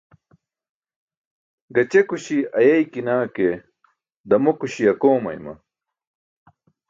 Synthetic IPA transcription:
ɡɐt͡ɕekuɕiɐjɐjkinaːke | d̪ɐmokuɕiɐkoːmɐ̰jmɐ̰

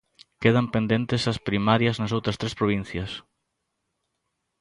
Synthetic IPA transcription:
keð̞ɐmpẽnd̪ent̪ɪsɐspɾimaɾjɐznɐsowt̪ɾɐst̪ɾespɾoβ̞ĩn̟θjɐs

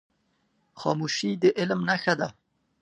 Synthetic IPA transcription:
xɑmuʃid̪əʔɪlmnaxad̪a

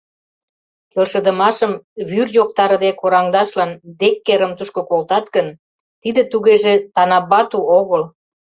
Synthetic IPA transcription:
kelʃə̆d̪ə̆mɑʃəmβyrjok̚t̪ɑɾə̆d̪ekoɾɑŋd̪ɑʃlɑnd̪ekːeɾəmt̪uʃkokolt̪ɑt̪ɡən | t̪id̪ĕt̪uɣeʒet̪ɑnɑβɑt̪uoɣəl

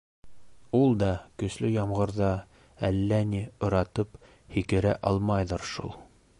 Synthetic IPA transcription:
ulˠd̪ɑkɵ̆slɵjɑmʁɤ̆ɾðɑ | ælːæniŏɾɑt̪ɤp | hikɘ̆ɾæ̰ʔɑlˠmɑjðɤɾʃṵlˠ

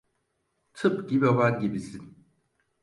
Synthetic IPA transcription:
tʰɯpɡʲibiobanɡibisin

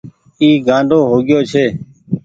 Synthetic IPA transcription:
iːɡãːɳɖoːɦoːɡɪjoːt͡ʃʰeː

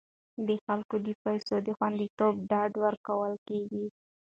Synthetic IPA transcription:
d̪əxalkod̪əpajsod̪əxwand̪it̪ob̚ɖɑɖwəɾkawəlkeɡi

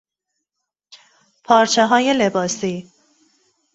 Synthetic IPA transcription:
pʰɒːɾt͡ʃʰeɦɒːje̞lebɒːsiː

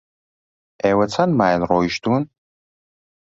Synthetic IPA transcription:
ewɐt͡sʰanmaːjnroːiʃtʰun

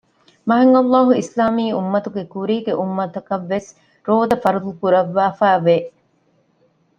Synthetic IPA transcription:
mɐɦɐŋɐlːɑːɦuislaːmiːumːɐt̪uɡekuɾiːɡeʔumːɐt̪ɐkɐʋːes | ɾoːd̪ɐfɐɾut̪ukuɾɐʋːaːfæːʋe

